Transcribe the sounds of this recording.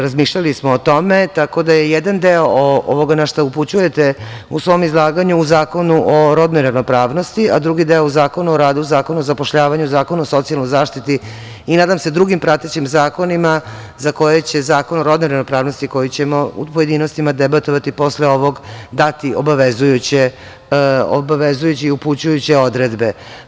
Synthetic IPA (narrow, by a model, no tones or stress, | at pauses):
ɾazmiːʃʎalismoːt̪o̞me̞t̪ako̞d̪ajejed̪and̪eooo̰ʋo̞ɡanaʃt̪auput͡ɕuje̞t̪eusʋo̞mizlˠaːɡaɲuːzaːko̞nuʔoɾod̪nojɾanopɾaːʋno̞st̪iad̪ɾuɡid̪eouzaːko̞nuoɾaːd̪uuzaːko̞nuozapo̞ʃʎaːʋaɲuzaːko̞nuoso̞t̪sialˠnojzaːʃt̪it̪i | inaːd̪amse̞d̪ɾuɡimpɾat̪et͡ɕimzaːko̞nima | zako̞jet͡ɕe̞zaːko̞noɾod̪noɾevnopɾaːʋno̞st̪iko̞jit͡ɕe̞mo̞ṵpoje̞d̪inost̪imad̪ebat̪o̞ʋat̪ipo̞sleo̞ʋo̞ɡd̪at̪iʔo̰baʋezujut͡ɕe | o̰baʋezujut͡ɕiiuput͡ɕujut͡ɕeo̞d̪ɾed̪be̞